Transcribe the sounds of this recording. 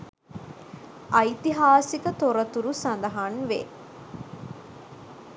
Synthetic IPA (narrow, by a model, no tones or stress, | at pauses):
ʔɐjt̪iɦaːsikət̪oɾɐt̪uɾusɐnd̪ɐɦanʋḛ